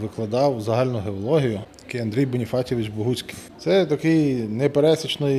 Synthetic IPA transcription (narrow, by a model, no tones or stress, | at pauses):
ʋɪklˠɐd̪ɑwzɐɦɑlʲnʊɦeɔlˠɔɦʲijʊjɐkɪjɐnd̪ɾʲijbɔnʲifɑtʲɔʋɪt͡ʃbɔɦut͡sʲkɪ̥j̪sɛt̪ɐkɪjnɛpeɾɛsʲit͡ʃnɔj